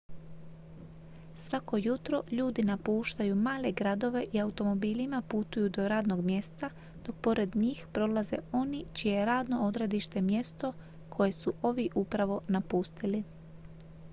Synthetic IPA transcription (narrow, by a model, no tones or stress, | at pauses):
sʋako̞jut̪ɾo̞ʎuːd̪inapuːʃt̪ajumaːle̞ɡɾad̪o̞ʋe̞ʔiaut̪o̞mo̞biːlimaput̪ujud̪o̞ɾaːd̪no̞ɡmje̞st̪a | d̪̥o̞k̚po̞ɾe̞d̪ɲiːxpɾo̞laze̞̰o̞nit͡ʃijejeɾaːd̪no̞o̞d̪ɾed̪iʃt̪e̞mje̞st̪o̞ | kʰo̞je̞suʔo̞ʋiʔupɾaʋo̞napuːst̪ili